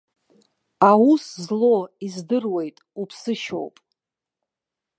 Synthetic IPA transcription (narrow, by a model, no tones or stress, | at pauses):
awuszlo̞izdɨrwe̞jtʼupʰsɨʃo̞̰wpʼ